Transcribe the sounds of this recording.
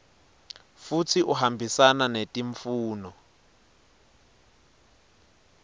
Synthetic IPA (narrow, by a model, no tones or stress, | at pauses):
fut͡sʰiʔuɦambʱisananetʼiɱfuːnɔ